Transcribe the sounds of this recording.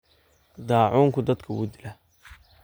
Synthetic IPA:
d̪ɑːʕuːŋkʰʊd̪ɐd̪kʰɐwṵd̪ɪlɐ

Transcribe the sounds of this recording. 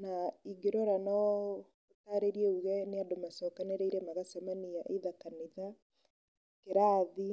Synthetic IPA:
naiɡeɾɔɾanɔ | otaɾeɾiɛuɣɛneadomasɔkaneɾeiɾɛmaɣasamaniaʔeðakaniða | keɾaði

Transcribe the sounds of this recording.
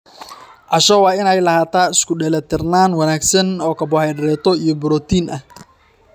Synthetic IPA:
ʔɐʃɔwɑːɪnɛjlɐhaːt̪ʰaːɪskʰʊɖɛlɐt̪ʰɪrnaːnwɑnaːɡsɐnɔːkʰɐbɔhɛjɖɪɾɛːt̪ʰɔijɔbʊɾɔːt̪ʰiːnʔɐh

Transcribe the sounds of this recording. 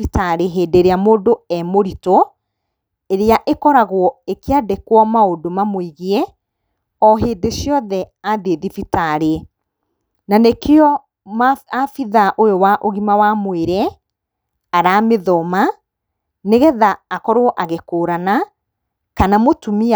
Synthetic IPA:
itaɾeɦeːdeɾeamoːdoɛmoɾito | eɾeaʔekɔɾaɣwɔekeadekwɔmaodomamoiɣeɛ | ɔɦeːdeʃjɔðɛ | aðeðifitaɾe | nanekeɔ | maafiðaʔojowaʔoɣimawamweɾɛ | aɾaːmeðɔma | neɣɛðaːkɔɾoɔʔaɣekoːɾana | kanamotumi

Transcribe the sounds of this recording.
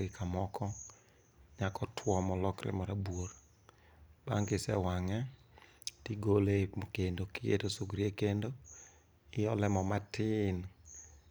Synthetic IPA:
ɪkʰamɔkʰɔ | ɲakɔtʰwɔmɔlɔkɾɛ̰mɔɾabwoɾ | b̥a̰ŋɡɪsɛ̰waŋɛ | tiɡolekendokɪjḛtosuɡɾiekendo | ɪjɔlɛmɔmatɪn

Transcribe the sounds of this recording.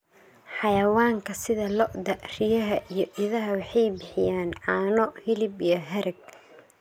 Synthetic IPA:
ħɑjɐwaːŋkʰɐsɪðɐlɔʔd̪ɐʔrɪjɐɦɐʔijɞʔɪðɐɦɐwɑħɑjbɪħɪjaːnʕɑːnɔhɪlɪbijɞɦɛɾɛɡ̚

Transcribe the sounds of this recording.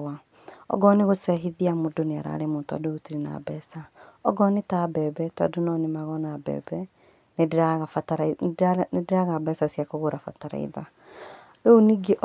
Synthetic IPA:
wa | ɔ̰ɡɔneɣosɛɦiðiamodoneaɾa̰ɾemontɔ̰dootiɾena̰bɛsaɔɡɔnetabɛbɛtɔ̰donɔnemaɣɔnabɛ̰ːbɛ | nedɾaɣafataɾanedeɾaɣabɛsasiakoɣoɾafa̰taɾa̰ḭða | ɾooniɡeʔ

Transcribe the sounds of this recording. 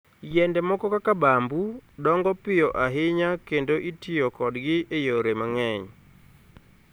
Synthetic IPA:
jɛndɛmɔkɔkakabambudɔŋɡɔpɪjɔʔaɦɪɲakendoʔitɪjokɔdɡɪejoɾemaŋɛɲ

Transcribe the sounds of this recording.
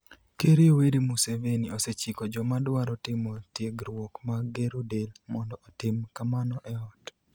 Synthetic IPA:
keɾioweɾimusevenioset͡ʃikɔd͡ʒɔmadwaɾɔtɪmotjeɡɾwokmaɡeɾudelmɔndɔʔːtɪmkamanɔʔɛɔt

